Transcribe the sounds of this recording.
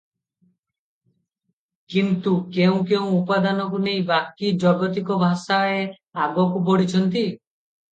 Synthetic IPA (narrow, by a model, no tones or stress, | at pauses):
kint̪ukeũkeũupad̪anɔkunej̃bakid͡ʒɔɡɔt̪ikɔbʱasae | aɡɔkupɔɽit͡ʃʰɔnt̪i